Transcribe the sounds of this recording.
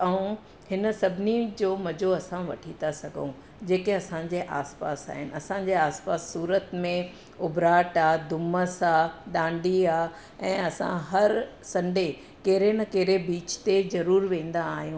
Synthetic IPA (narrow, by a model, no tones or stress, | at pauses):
ɐũ | hɪnə̆sɐbʱɪnid͡ʑoːmɐd͡ʑoɐsãʋɐʈʰit̪asɐɡʱo̰ũ | d͡ʑeːkeɐsãd͡ʑeːʔaːspa̰ːsa̰ːɦɪnɪ̆ɐsãɲd͡ʑeːaːspaːsːuːɾət̪mẽ | ʊbɾaːʈaːd̪ʊməsaːɗ̪ãːɳɖiaː | ɛ̃ːɐsã̰ɦɐɾsɐ̃ɳɖe | keɦɾenɐkeːɾebiːt͡ɕt̪ezɐɾuːɾʋẽːn̆d̪aːɦijũ